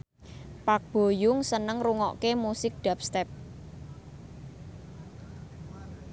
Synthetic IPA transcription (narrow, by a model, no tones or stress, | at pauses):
pak̚b̥o̤jʊŋsənəŋruŋɔ̰ʔkemusɪk̚ɖ̪̥a̤p̚st̪ɛp̚